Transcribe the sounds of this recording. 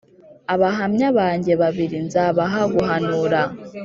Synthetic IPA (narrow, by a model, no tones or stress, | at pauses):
aβaɦamɲaβaːɲɟe̞βaβiɾinzaβaɦaɡuɦanuɾa